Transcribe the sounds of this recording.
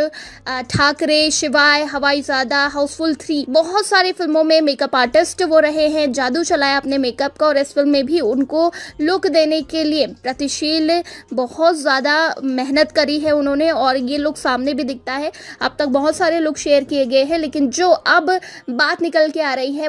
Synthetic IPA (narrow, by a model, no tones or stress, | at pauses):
ʈʰaːkɾeʃɪʋaːjɦɐʋaːizaːd̪aɦaʊsfʊlt̪ʰɾiːbɔɦʊt̪saːɾefɪlmõmẽmeːkɐpaːɾʈɪsʈʋoɾɐɦeɦɛ̃d͡ʒaːd̪ut͡ʃɐlaːjaɐpnemeːkɐp̚kaɔːɾɪsfɪlmːẽbʱiʊnkolʊkd̪eːnekeliepɾɐt̪ɪʃiːlbɔhʊt̪zjaːd̪amɛɦnət̪kɐɾiɦɛʊnɦõːneɔːɾjeloːɡsaːmnebʱid̪ɪk̚ʰt̪aɦɛɐb̚t̪ɐk̚bɐɦʊt̪saːɾeloːɡʃeːəɾkieɡɐeɦɛ̃leːkɪnd͡ʒoːʔɐbːaːt̪nɪkəlkeaːɾɐɦiɦɛ